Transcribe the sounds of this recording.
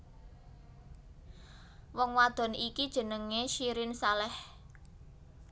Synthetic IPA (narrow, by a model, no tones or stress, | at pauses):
wɔŋwad̪̥ɔ̤nikid̥ʒ̥ə̤nəŋeʃiɾɪnsalɛh